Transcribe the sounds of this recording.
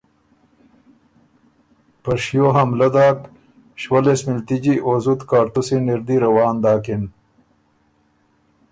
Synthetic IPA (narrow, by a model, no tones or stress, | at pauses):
pɐʂjoːɦɐmlɐd̪aːk | ɕwɐlesmilt̪id͡ʑiʔoːzut̪kaːɾt̪usiniɾd̪iɾɐwaːnd̪aːkin